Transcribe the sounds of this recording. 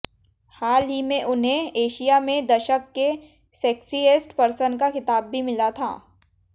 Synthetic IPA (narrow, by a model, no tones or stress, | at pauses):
haːlimẽʔʊnɦẽeːʃijamẽd̪ɐʃəkːe | sɛːksieːsʈpɐɾsənkaxɪt̪aːbːʱimɪlat̪ʰa̰ː